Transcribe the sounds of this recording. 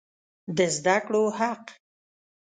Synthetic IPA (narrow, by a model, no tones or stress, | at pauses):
d̪əzd̪akɽohaq